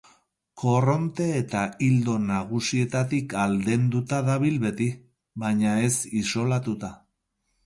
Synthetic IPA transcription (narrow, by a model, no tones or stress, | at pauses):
ko̞ro̞nt̪e̞ːt̪aild̪o̞naɣ̞usie̞t̪at̪ikald̪e̞nd̪ut̪aðaβ̞ilβe̞t̪i | βajɲae̞siso̞lat̪ut̪a